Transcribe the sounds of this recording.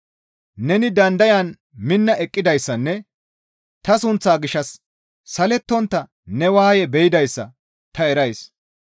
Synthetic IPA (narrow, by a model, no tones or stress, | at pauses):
nɛnɪd̪ɐnd̪ɐjɐn | mɪnːɐʔɛkʼːɪd̪ɐjsːɐnːɛ | t̪ɐsʊnt͡sːaːɡɪʃːɐsː | ɐlɛt̪ːɔnt̪ːɐ | nɛwaːjɛbɛjɪd̪ɐjsːɐ̰ | t̪ɐɛɾɐjs